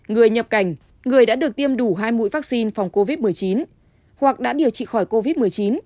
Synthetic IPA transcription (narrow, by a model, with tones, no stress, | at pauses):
ŋɨ˨˩əjɲə˨˩p̚ka˧˩jŋ̟ | ŋɨ˨˩əjɗa̰ː˧˥ɗɨ˨˩ək̚t̪i˧əmɗu˧˩ɦaː˧jmṵ˧˥jvaː˦˥k̚si˧nfa˨˩wŋ͡mko˧vi˦˥t̚mɨ˨˩əjt͡ɕi˨˦n | hwa˨˩k̚ɗa̰ː˧˥ɗi˨˩əwt͡ɕḭ˧˨xɔ˧˩jko˧vi˦˥t̚mɨ˨˩əjt͡ɕi˨˦n